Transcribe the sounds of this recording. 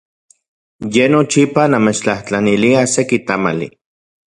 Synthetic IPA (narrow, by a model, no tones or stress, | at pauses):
jenot͡ʃipanamet͡ʃt͡ɬaht͡ɬaniliasekit̪ama̰lḭ